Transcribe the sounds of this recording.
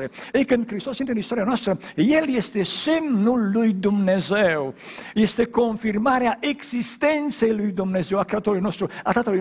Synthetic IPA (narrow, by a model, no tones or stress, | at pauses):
eejkɨnd̪̚kɾist̪osint̪eɨnist̪o̞ɾianoast̪ɾəje̞lje̞st̪e̞semnulːujd̪umne̞zewje̞st̪e̞ko̞nfirmaɾeaʔe̞ɡzist̪e̞nt̪se̞jlujd̪umne̞ze̞wakɾeat̪oɾulujno̞st̪ɾuat̪at̪əlu